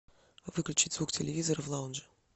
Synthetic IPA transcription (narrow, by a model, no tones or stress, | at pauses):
vɨklʲʉt͡ɕitʲzvuktʲɪlʲɪvʲizəɾəvlˠaʊnʐɨ